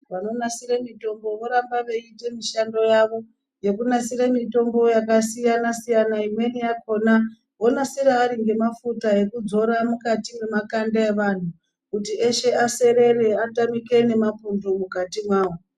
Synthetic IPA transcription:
ʋano̞nasiɾemito̞mbo̞ʋo̞ɾambaʋe̞ite̞miʃando̞jaʋo̞ | je̞kunasiɾemito̞mbo̞jakasijanasijanaimwe̞nijako̞na | ɦo̞nasiɾaːɾiŋɡe̞mafutae̞kud͡zo̞ɾamukatimemakandaeʋan̤u | kutieʃe̞ase̞ɾe̞re̞atamike̞ne̞mapundomukatimwaːʋo

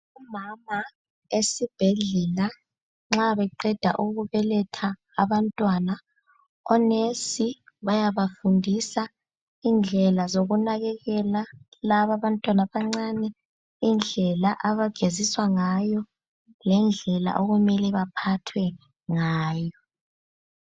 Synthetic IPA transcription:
umama | esib̥ʱɛɮɛla | ŋ͡ǁaβɛǃɛd̥ʱa̰ʔuɣuβɛlɛtʰa̰ː | βantʼwana | ɔnesiβajaβafundʱisa | ind͡ɮʱɛlazoɣunaɣɛɣɛlalaβaβantʼwanaβaŋ͡ǀanɛ | ind͡ɮʱɛlaʔaβaɡ̥ʱeziswaŋajɔ | lɛnd͡ɮʱɛla̰ʔoɣumɛlɛβapʰatʰwɛ | ŋaːjɔ

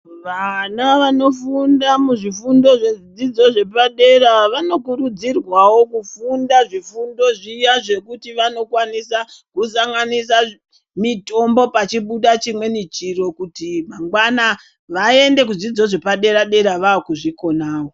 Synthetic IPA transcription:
ʋanaʋano̞fundamuʐifundo̞ʐe̞id͡zid͡zo̞ʐe̞paɗe̞ɾaʋano̞kuɾud͡zirwawo̞kufundaʐifundo̞ʐijaʐe̞kutiʋano̞kwanisakusaŋɡanisa | mito̞mbo̞pat͡ʃiɓuɗat͡ʃimwe̞nit͡ʃiro̞kutimaŋɡwana | ʋae̞nde̞k̬ud͡zid͡zo̞ʐe̞paɗe̞ɾaɗe̞ɾaʋaːkuʐiko̞naːwo̞

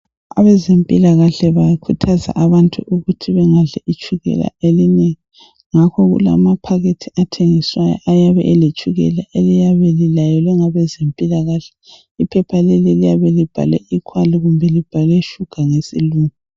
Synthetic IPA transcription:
a̰βɛzempʼilaɣaɬɛβakʰutʰaza̰ʔaβantʼuʔuɣutʰiβɛŋaɮɛʔit͡ʃʼuɣɛ̰la̰elineŋi | ŋakʰɔɣṵla̰mapʰaɣetʰiatʰeŋiswajɔ̰ʔajaβɛ̰ʔɛlet͡ʃʼuɣɛ̰laʔelijaβɛlilajɔlɛŋaβɛzempʼilaɣaɬɛ̥ | ipʰɛpʰalɛlilijaβɛlib̥ʱa̰lɛ̰ʔikʰwaliɣumbʱɛlib̥ʱalɛʃuɡ̥ʱaŋesḭluːŋu

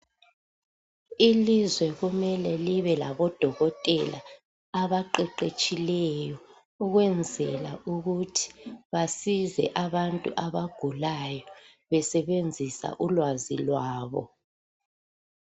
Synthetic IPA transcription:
ilizwɛɣumɛlɛliβɛlaβɔd̥ʱɔɣɔtʼɛla̰ | aβaǃɛǃet͡ʃʼilɛjɔ | uɣwɛnd͡zʱɛlaʔuɣutʰi̥βasizɛ̰ʔaβantʼṵʔaβaɡ̥ʱulajɔ | βɛsɛβend͡zʱisa̰ʔulwazilwaːβɔ̰

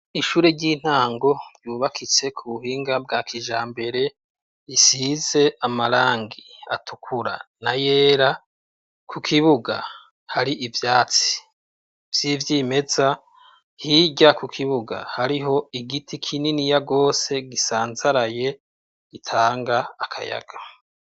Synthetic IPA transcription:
iʃuːɾe̞ɟiːn̥aːŋɡo̞juːβakʰit͡se̞kʰuβuhiːŋɡab̚ɡaːkʰiʒaːmbe̞ɾe̞ | isize̞ʔamaɾaːŋɡia̰tʰukʰuɾa̰naje̞ːɾa | kʰukʰiβuɡa | haɾiʔivjaːt͡si̥ | v̥jivjime̞za | hiɟakukʰiβuɡa̰haɾiɦo̞iɡitʰikʰininijaɡo̞ːse̞ɡisaːnzaɾaje̞ | ɡ̥itʰaːŋɡaːkʰa̰ja̰ɡ̥ḁ

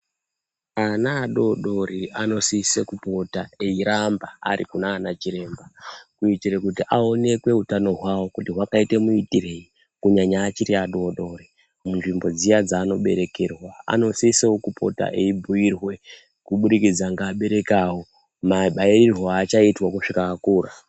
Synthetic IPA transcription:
anaːɗo̞ɗo̞ɾiano̞sisekupo̞taeiɾambaa̰ɾḭkunaːnat͡ʃiɾe̞ːmbakuitiɾekutiʔao̞ne̞kwe̞ɦutano̞ɦwawo̞kutiɦwakaitemuitire̞i | kuɲaɲaːt͡ʃiɾiaɗo̞ɗo̞ɾi | munʐimbo̞d͡zijad͡zaːno̞ɓe̞̰ɾe̞kerwaa̰no̞sisewokupʰo̞̰ta̰ʔeibʱuirwe̞ | kuɓuɾikid͡zaŋɡaːɓe̞ɾe̞kawo̞ | maɓairirwoat͡ʃaitwakuʂikaakuːɾa

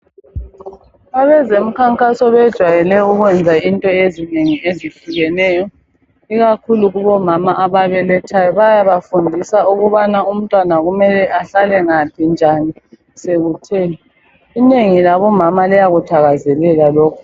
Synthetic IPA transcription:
aβɛzem̩kʰaŋkʼasɔβɛd̥ʒ̥ʱwajɛlɛuɣwɛnd͡zʱaintʼɔezineŋiʔezifiɣɛnɛːjɔ | iɣakʰuluɣuβɔmamaʔaβaβɛlɛt͡ʃʰʼajɔβajaβafundʱisauɣuβanaum̩tʼwanaɣumɛlɛʔaɬalɛŋapʰind͡ʒʱani | seɣutʰɛːlɛ | ineŋilaβɔmamalɛjaɣutʰaɣazɛlɛlalɔːkʰɔ

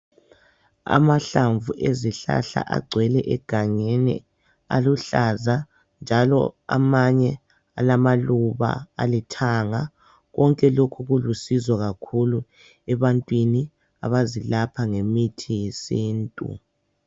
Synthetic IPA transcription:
a̰maɬaɱvuʔeziɬa̰ɬa̰ʔa̰ɡ͡ǀʱwɛlɛʔɛɡ̥ʱaɲenḭ | a̰luɬaza | nd͡ʒʱalɔ̰a̰maɲɛ | alamaluβa̰a̰litʰaŋa | ɣɔŋkʼɛlokʰuɣulusizɔɣakʰulu | ɛβantʼwini | a̰βazilapʰaŋemitʰijesiːntʼṵ

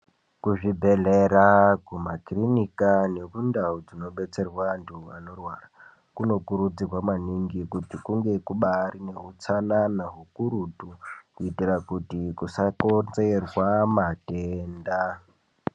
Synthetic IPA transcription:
kuʐibʱe̞ɮeɾakumakrinikane̞kundaud͡zino̞ɓe̞t͡se̞rwantʰua̰no̞rwara | kuno̞kuɾud͡zirwamaniŋɡikutikuŋɡe̞kuɓaɾine̞ɦut͡sananaɦukuɾutukuitirakutikusakond͡zerwamateːnda

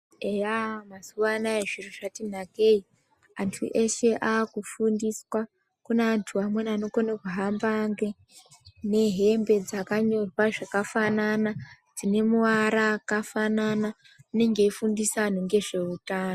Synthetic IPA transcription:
ejamazuʋanaeʐiruʐatin̤ake̞i | antʰṵʔeʃe̞ʔaːkufundiswa | kuneːntʰuamwe̞nano̞konekuɦambaŋɡe | ne̞ɦe̞mbe̞d͡zakaɲo̞rwaʐakafanana | d͡zine̞muʋaɾaːkafanana | une̞ŋɡe̞ifundisanoŋɡe̞ʐe̞utaːno

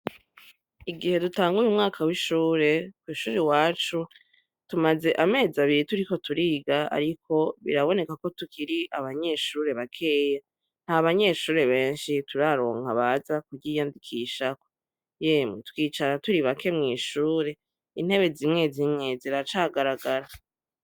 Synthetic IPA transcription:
iɡihe̞dutaːŋɡujumŋaːkʰawiʃuːɾe̞kwiːʃuːɾewaːt͡ʃu | tumaze̞ʔame̞ːzaβiɾituɾiko̞tuɾiːɡaa̰ɾikʰo̞βḭɾaβo̞ne̞kako̞tukiɾiʔaβaɲe̞ʃuːɾe̞βakʰe̞ːja | n̥haβaɲe̞ːʃuːɾe̞βe̞ːnʃituɾaɾo̞̰ːŋ̥aβazakuɟijandikʰiʃako | jemutwiːt͡ʃaɾatuɾiβakʰe̞mŋiːʃuːɾe̞ | in̥he̞βe̞zimŋe̞zimŋe̞ziɾat͡ʃaɡaɾaɡaɾa

